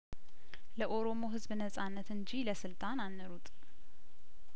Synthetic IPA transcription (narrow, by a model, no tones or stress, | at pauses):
ləʔo̞ɾomo̞ɦɨzbnəsʼanːət̪ɨɲd͡ʒiləsɨlt̪ʼananːəɾut̪ʼ